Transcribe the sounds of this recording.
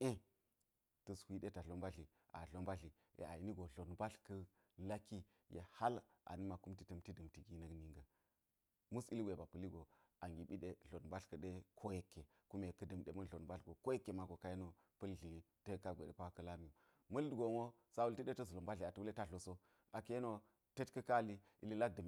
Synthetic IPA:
e˦ | tɐ˨swʷi˦ɗe˦ta˨ɮo˦nba˦ɮi˨ | ʔa̰˨ɮo˦nba˦ɮi˨ | jḛ˨a̰˨i˦ni˦ɡo˨ɮo˨nba˦ɬkɐ˦ | la˦ki˦ | jḛ˨ha˦lʔa̰˨ni˦ma˨ku˦mti˨tɐ˦mti˦dɐ˨mti˨ɡi˦nɐ˦kni˦ŋɡə˨ | mu˦si˦li˦ɡʷe˨ba˨pɐ˨li˦ɡo˨ | a˨ŋɡi˨ɓi˦ɗe˦ɮo˨nba˦ɬkə˨ɗe˦kʰo˦je˦kːe˨ | ku˦me˨kə˦dɐ˨mɗḛ˨mɐ˦˨o˨nba˦ɬɡo˨ko˦je˦kːe˨ma˨ɡo˨ka˨˦je˦no˨ | pɐ˦lɮi˨˦ | te˦ka˦ɡʷḛ˨ḛ˨pa˦kə˦la˦mi˦jo˨ | mɐ˦ldɡo˨mo˦ | sa˦wu˦lti˦ɗe˦tə˦zu˨lo˨mba˦ɮi˨a˨tə˦wle˦ta˦ɬo˨so˦ | a˨ke˦no˦ | te˦tkɐ˦ka˦li˦ | ḭ˨li˦la˦k̚dɐ˨m

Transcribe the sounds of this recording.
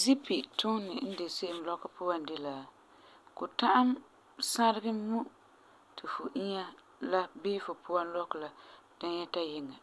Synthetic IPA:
zi˦pi˨tʰʊ˦nːɪ˨n̩˦de˨se˦ʔɪ˨m˨lɔ˦ka˦pʊ˦a˨ndɪ˦la˨ | kʊ˨ta˦ʔa˦m | sa˦ɾɪ˦ɡɪ˦mu˦ | tʰɪ˨fʊ˨ʔi˦ɲa˦ | la˦bɪ˦fʊ˨pʰʊ˦a˦nlɔ˦kla˦ | d̥a˦jɛ˦ta˦jɪ˦ŋa˨

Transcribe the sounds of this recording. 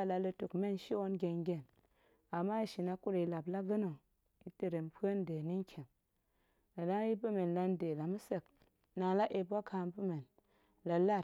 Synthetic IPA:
la˧lə˧tu˨kme˦nʃi˦wo˦nɡʲe˨nɡʲe˨n | a˨mːa˦i˨ʃi˨na˦ku˦ɾe˨i˨la˨bla˦ɡə˦no˨ | i˨tə˨ɾe˨mpʰə˦n˦de˨ni˦ŋ˦kʲʰe˨m | na˨da˦ŋji˦bə˦me˨nla˧nde˨la˨mu˦sə˨k̚ | na˨la˦ʔe˨ba˦kʰa˧˨npu˦me˨n | la˨la˦˨

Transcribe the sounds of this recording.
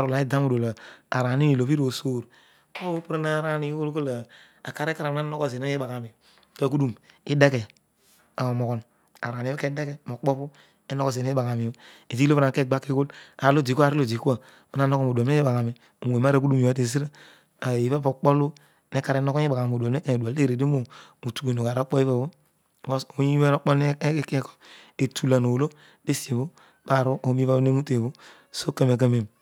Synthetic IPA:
a˨ɾu˨la˨˦i˦da˦mu˨do˨la˨a˨ɾa˨ni˦ni˨lo˨pi˦ɾo˨so˦˨ɾ | o˦o˦pu˦ɾa˦na˦ɾa˦ni˦ko˦lko˦la˨ | a̰˨ka˦ɾe˦ka˦ɾa˨na˦no˦ko˦ze˨na˦i˦ba˨ka˨mi˨˦ | pa˦˨k̬u˦du˦˨mi˦de˦ke˨ | a˨mo˨ko˨n | a̰˨ɾa˨n˨˦e˦ke˦de˦ke˨mo˨k͡po˦pu˦ | e˦no˦ko˦˨ze˨ne˦i˦ba˨ka˨mi˨˦ | e˨zi˦o˦pna˨ke˦˨ɡ͡ba˦kːi˦ko˦la˨lo˦˨d͡ʒi˨ku˦a˨ɾi˦lo˨d͡ʒi˨ku˦a˦˨ | o˦na˦no˦ko˦˨mo˨da˨˦e˦e˦ba˨ka˨mi˨ | o˨e˨ma˦ɾa˦ku˦du˦mi˨a˨˦te˨s̬i˦ɾa˦ | a˨i˨˦a˦po˨k͡po˦lu˦ | ne˦ka˨ɾe˦no˦ko˦e˦ba˨a˨o˨du˨a˨˦e˦ka˦e˨du˨a˨le˦˨ɾe˨de˦mo˨mu˨tu˨ke˨no˨ka˨ɾo˦k͡po˦i˦βa˦βo˦˨ | ɡo˦so˨˦ɲi˦i˦a˦no˦k͡po˦ln˦kko̥˦e˨tu˨la˨no˨lo˦ | de˦si˨e˨bo˦ | b̥a˦˨ɾo˦o˦mi˦va˦ne˦mu˦te˨βo˦ | so˦ke˦m˨e˨k̬a˦me˨m

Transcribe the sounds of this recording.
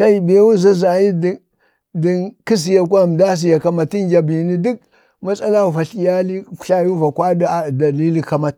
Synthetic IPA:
sa˦i˨be˨˦wu˦za˦za˨ji˦d | di˨nki˦s̬i˨ja˨k̬ʷa˦˨m˨da˦s̬i˨ja˨ka˦ma˨ti˦nd͡ʒa˨bi˨ni˦du˦k̚ | ma˦sa˦la˦u˨fa˨ɬi˨ja˦li˦ku̥˨ɬa˦ju˦va˨kʷa˦da˨da˨li˦li˦ka˨ma˦t̚

